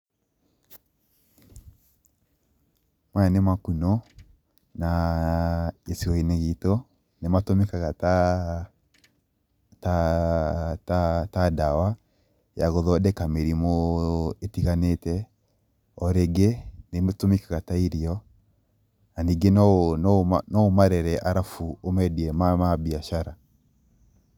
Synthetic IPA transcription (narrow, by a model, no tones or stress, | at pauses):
mwanemakunɔ | na | esiɔineɣitɔ | nematomekaɣata | ta | tatadawa | jaɣɔðɔdɛkameɾimɔetiɣanetɛ | ɔɾɛɡɛnemtomikaɣataiɾiɔ | aniɡenɔnɔnɔomaɾɛɾɛʔaɾafuomɛdiɛmamabiaʃaɾa